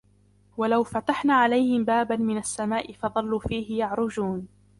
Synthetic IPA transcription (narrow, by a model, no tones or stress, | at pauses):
walawfat̪aħnaːʕalajhɪmbaːbanmɪnasːamaːʔɪfɑðˤɑlːuːfiːhɪjɑʕɾˤʊd͡ʒuːn